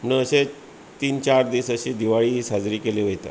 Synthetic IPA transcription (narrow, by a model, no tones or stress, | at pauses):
nəəɕe | t̪iːnt͡ɕaɾd̪isəɕiːd̪iʋaɭiːɦiːsad͡zɾiːkeleʋəjt̪a̰